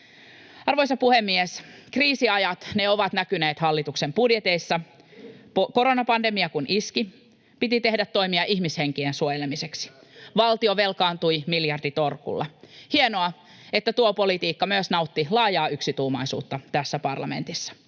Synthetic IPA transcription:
ɑrʋo̞jsɑpuhemːieskriːsiɑjɑt̪neo̞ʋɑt̪nækyneːt̪hɑlːit̪uksempudjet̪e̞isːɑ | poko̞ɾonɑpɑnde̞miɑkunʔiski | pit̪it̪e̞hdæt̪ːo̞imiɑʔiçmisheŋk̟iensuojelemiseksi̥ʋɑlt̪ioʋe̞lkɑːnt̪ujmiljɑrdit̪o̞rkṵlːɑ̰hienoɑ | et̪ːæt̪uopo̞lit̪iːkːɑmyøsnɑut̪ːilɑːjɑːyksit̪uːmɑjsṵːt̪ːɑt̪æsːæpɑrlɑ̰mḛnt̪isːɑ̥

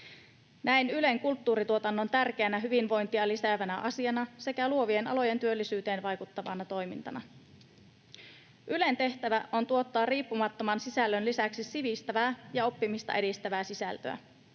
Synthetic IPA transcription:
næinyle̞ŋkult̪ːuːɾit̪uo̞t̪ɑnːont̪ærk̟eænæɦyʋinʋo̞jnt̪iɑliseːʋænæʔɑsiɑnɑse̞kæluo̞ʋie̞nɑ̰lo̞je̞nt̪yø̞lːisyːt̪e̞ːnʋɑjkut̪ːɑʋɑnɑt̪o̞jmḭnt̪ɑ̰nɑ | ʔyle̞nt̪e̞ht̪æʋæʔont̪uo̞t̪ːɑːriːpːumɑt̪ːomɑnsisælːønlisæksisiʋist̪æʋæːjɑo̞pːimist̪ɑ̰ʔe̞dist̪æʋæːsisæ̰lt̪ø̰æ̰

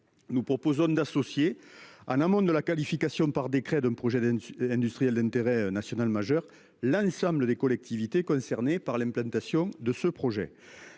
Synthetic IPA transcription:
nupχɔpozɔ̃d̪asɔsje | ɑ̰̃namɔ̃d̪əlakalifikasjɔ̃paʁd̪ekχed̪ɛ̃mpχɔʒɛd̪ɛ̃nd̪yst̪χijɛld̪ɛ̃nt̪eʁenasjɔnalmaʒœʁ | lɑ̃sɑ̃mbləd̪ekɔlɛk̚t̪ivit̪ekɔ̃sɛʁnepaʁlɛ̃mplɑ̃nt̪asjɔ̃d̪əsəpχoʒḛ

